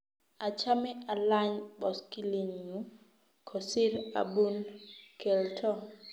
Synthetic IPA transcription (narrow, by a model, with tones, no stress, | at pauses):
a˨t͡ʃa˦mɪ˦a˨la˦ɲbɔ˨ski˦li˨ɲu˨˦ | kʰɔ˨sɪ˦ɾa̰˨bu˦nke˨ltʰɔ˦